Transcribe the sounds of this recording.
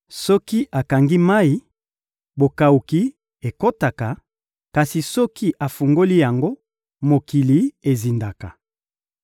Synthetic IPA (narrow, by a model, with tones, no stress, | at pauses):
sɔ˦ki˦ʔa˨ka˨ŋɡi˦ma˦i˨˦ | bo˨ka˨u˨ki˦ | e˨ko˦ta˨ka˨ | ka˨si˨sɔ˦ki˦ʔa˨fu˨ŋɡo˦li˦ja˨ŋɡo˦ | mo˨ki˨li˦e˨zi˨nda˨ka˨